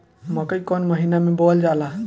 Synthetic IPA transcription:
məkəjkonməɦinamebold͡ʒala

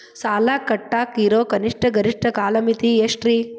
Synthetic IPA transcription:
saːlaːkɐʈːaːkiːɾoːkɐniʂʈʰɐɡɐɾiʂʈʰɐkaːlɐmit̪ieʂʈɾiː

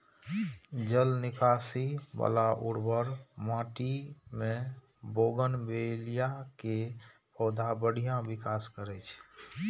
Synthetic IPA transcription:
d͡ʒəlnikasiba̰laʔuɽbəɾmãʈime | boɡənbelijake | pəwd̪ʱabəɽ̤ijãbikaskəɾɛt͡ʃʰ

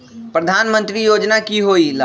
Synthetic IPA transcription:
pɾəd̪ʱaːnmə̃nt̪ɾijod͡ʒnakiɦoila

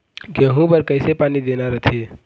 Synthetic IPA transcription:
keɦũbəɾkəɪsepaːnid̪enaɾət̪ʰe

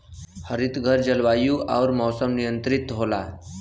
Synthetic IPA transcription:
həɾit̪ɡʱəɾd͡ʒəlʋajuʔawɾmɔsəmnijənt̪ɾit̪ɦola̰

